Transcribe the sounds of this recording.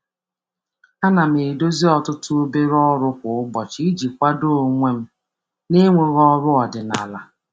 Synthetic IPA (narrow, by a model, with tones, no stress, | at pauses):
a˦na˨m̩e˨do˦zi˦ɔ˨tʊ˦tʊ˦o˦be˦ɾɔ˦ɾʊ˦kʷʊ˨ʊ˦bɔ˨t͡ʃɪ˦i˦d͡ʒi˨kʷa˦do˦˨o˨ŋʷe˦m̩˦ | ne˦ŋʷe˦ɣɔ˦ɾʊ˦ɔ˨dɪ˨na̰˨la˦